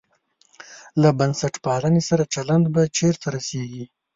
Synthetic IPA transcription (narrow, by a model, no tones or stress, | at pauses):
labansaʈpɑlanesaɾat͡ʃaland̪bat͡ʃeɾt̪ʰaɾaseɡi